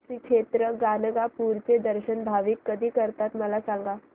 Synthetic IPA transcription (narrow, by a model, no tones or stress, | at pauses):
ʃikʃet̪ɾəɡaːnəɡapuɾt͡sed̪əɾɕənbʱaʋikːəd̪ʱiːkəɾt̪at̪məlasãŋɡa